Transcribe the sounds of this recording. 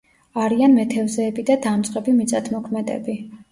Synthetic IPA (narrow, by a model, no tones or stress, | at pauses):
aɾianmɛt̪ʰɛvzɛːbid̪ad̪amt̪sʼqʼɛbimit̪sʼat̪ʰmɔkʰmɛd̪ɛ̰bi